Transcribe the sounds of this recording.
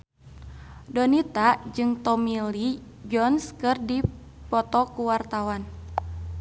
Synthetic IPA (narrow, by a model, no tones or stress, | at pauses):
dɔnit̪ad͡ʒɨŋt̪ɔmili | d͡ʒɔnskɨrdi | pɔt̪ɔkuwart̪awan